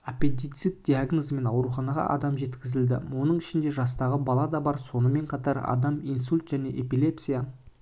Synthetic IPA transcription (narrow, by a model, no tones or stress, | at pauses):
apent̪ijt̪sɨt̪̚d̪iaɡnozme̞nɑwɾuχɑnɑʁɑ̰ʔɑ̰d̪ɑmʒe̞t̪kʲɪzɪld̪ɪ̰wo̞nəɴɪʃɪnd̪e̞ʒɑst̪ɑʁəbɑlˠɑd̪ɑbɑɾso̞nəme̞ɴqʰɑt̪ɑɾɑ̰d̪ɑmijnsulʲt̪ʒ̥æne̞ʔepile̞psija